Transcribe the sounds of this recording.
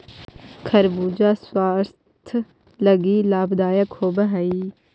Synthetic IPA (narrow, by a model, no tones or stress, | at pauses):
kʰɐɾbuːd͡ʒaːswaːɾ | t̪ʰ | ləɡiːlaːbd̪aːjakhoːbəɦãi